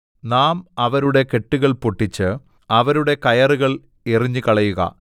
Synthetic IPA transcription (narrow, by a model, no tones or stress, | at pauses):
naːmɐʋɐɾuɽe̞ke̞ʈːuɣɐɭpoʈːit͡ɕːɨ | ɐʋɐɾuɽe̞kɐjɐruɣɐɭ | eriɲːɨkɐɭɐjuɣɐ̰